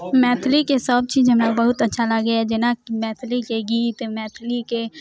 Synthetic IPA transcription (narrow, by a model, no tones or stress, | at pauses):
mɛːt̪ʰlikesəb̚t͡ʃiːd͡ʒɦəmnebəɦʊt̪ətːʃʰaləɡeɛd͡ʒɪnakimɛːt̪ʰlikeɡiːt̪mɛːt̪ʰlike